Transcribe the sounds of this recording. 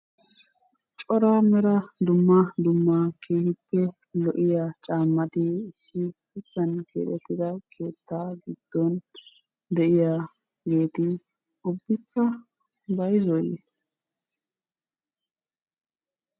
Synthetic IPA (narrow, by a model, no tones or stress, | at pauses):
t͡ʃʼɔɾɐmɛɾɐd̪ʊmːɐd̪ʊmːɐkʰeːhɪpːɛ | lɔʔɪjat͡ʃʼaːmːɐt̪ɪɪsːɪpɪt͡sːɐnkʰḛːt̪ɛt̪ːɪd̪ɐkʰe̞ːt̪ːaːɡɪd̪̥ːɔn | d̪ɛʔɪja | ɡe̞ːt̪ɪ | ʊbːɪkːɐ | bɐjzɔjḛ